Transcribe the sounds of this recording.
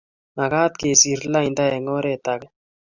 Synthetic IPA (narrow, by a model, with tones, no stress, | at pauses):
na˨ka˦t̪̚ke˨si˨ɾla˦i˨nda˦ɛ˨ŋɔ˦ɾe˦˨ta˨kɛ˦